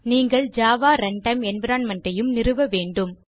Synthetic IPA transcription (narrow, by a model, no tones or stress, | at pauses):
niːŋɡɐɭd͡ʒaːʋaːɾɐɳʈɐɪmɛnʋɪɾaːnmɐɳʈrɐjɯmnɪɾɯʋɐʋeːɳɖɯm